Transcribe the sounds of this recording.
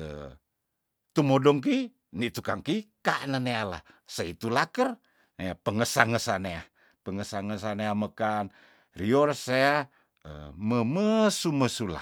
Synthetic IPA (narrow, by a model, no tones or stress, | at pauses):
ə̰ | t̪umodɔŋk̬i | nit̪ukaŋkikaʔnəneala̰sait̪ulakər | neapəŋəsaŋəsanea | pəŋəsaŋəs̬aneaməkan | riɔrsea | ə̰məməsuməsula̰